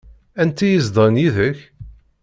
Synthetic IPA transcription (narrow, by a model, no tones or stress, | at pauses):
ænt̪ːæjəzd̪ˤənjiðəç